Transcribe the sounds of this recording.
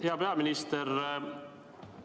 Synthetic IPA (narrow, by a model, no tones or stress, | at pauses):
heabeamɪnist̪ɛr